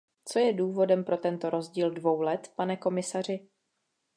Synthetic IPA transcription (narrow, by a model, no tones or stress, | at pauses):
t͡so̞jɛduːvo̞dɛmpɾo̞t̪ɛnt̪o̞ɾo̞zɟiːldvo̞wlɛt̪panɛko̞mɪsar̝ɪ